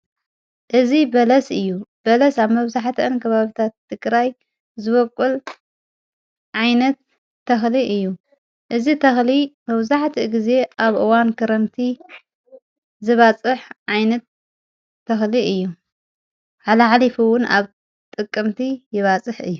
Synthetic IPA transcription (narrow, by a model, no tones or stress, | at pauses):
ʔɨzibɐlɐsɨjːub̥ɐlɐsaβmɐβzaħt̪ʰiʔɨnkʰɐβaβit̪ʰat̪ʰːɨɡɾaj | zɨβɐkʼul | ʕajnɐt̪ː | ɐxliʔɨjːu | ʔɨzit̪ʰɐxlimɐβzaħt̪ʰiɡize̞ʔaβʔɨwankʰɐɾɐnt̪ʰi | zɨβat͡sʼɨħʕajnɐt̪̚ʰː | ɐxliʔɨjːu | ʕalɐʕalifɨwʊna̰β | t̪ʼɨkʼːɨmt̪ʰijɪβat͡sʼɨħɨjːu